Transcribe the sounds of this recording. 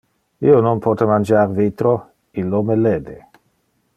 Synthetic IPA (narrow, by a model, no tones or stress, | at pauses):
iːononpʰɔt̪emand͡ʒaɾvit̪ɾo | ilomeleːd̪e